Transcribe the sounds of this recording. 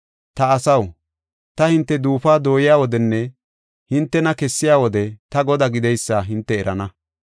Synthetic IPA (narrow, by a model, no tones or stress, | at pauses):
t̪ɐːsɐw | t̪ɐhɪnt̪ːɛd̪uːfaːd̪o̞ːjɪjaːwɔd̪ɛnːɛ | hɪnt̪ːɛnɐkɛsːɪjaːwɔd̪ɛt̪ɐɡɔd̪aɡɪd̪ɛjsːaːɦɪnt̪ːɛːɾʔɐnɐ